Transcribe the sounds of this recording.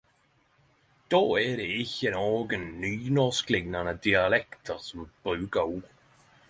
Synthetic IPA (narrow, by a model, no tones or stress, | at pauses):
d̪̥oːɛːɾɪɪçənɔːɡənːyːnɔsklɪɡnanəd̪ialɛkt̪ʰəsəmb̥uːɡaw